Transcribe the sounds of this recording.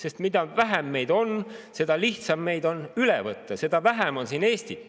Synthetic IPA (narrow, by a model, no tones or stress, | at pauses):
se̞st̪mid̪̥ɑvæɦæmːe̞jd̪o̞nse̞d̪̥ɑliht̪sɑmːe̞jd̪o̞nylɛvɤt̪ˑːɑse̞d̪ɑvæɦæmo̞nsiːne̞ːst̪i